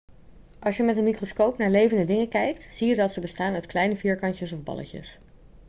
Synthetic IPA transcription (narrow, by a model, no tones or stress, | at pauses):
ʔɑlˠsjəmɛtənmikroskowpnaːɹlejvəndədɪŋəkɛjk̚tz̥ijədɑtsəbəstaːnœɥtklɛjnəviːɹkɑncəsɔvbɑ̰lə̰cə̰s